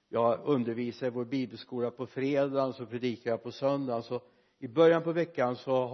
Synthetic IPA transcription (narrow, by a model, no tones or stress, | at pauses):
jɑːɵnd̪əɾviːsaɾvoːɾbiːbɛlskuːlapʰɔfɾeːd̪asɔpʰɾɛd̪iːkaɾjapʰɔsœnd̪ansɔ | ɪbœɾjanpɔvɛkːansɔ